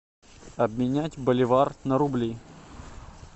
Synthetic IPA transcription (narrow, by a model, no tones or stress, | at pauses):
ɐbmʲɪnʲætʲbəlʲɪvarnəɾʊblʲi